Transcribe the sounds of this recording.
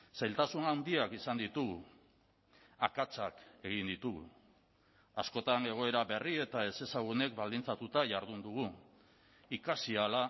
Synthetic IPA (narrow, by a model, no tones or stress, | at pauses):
sajlt̪asunawnd̪iakisand̪it̪uɣu | akat͡sake̞ɣind̪it̪uɣṵ | asko̞t̪ane̞ɣ̞o̞e̞ɾaβe̞rie̞t̪ae̞se̞saɣune̞kbald̪int͡sat̪ut̪aʝaɾðund̪uɣ̞u | ikasiala